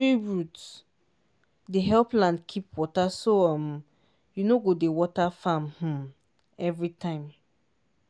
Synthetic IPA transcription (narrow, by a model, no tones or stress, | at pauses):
iɹut | deɦɛlplãndkʰipwɔtasoam | junoɡodewɔtafãmh̩ | ɛvɹitʰãɪ̃m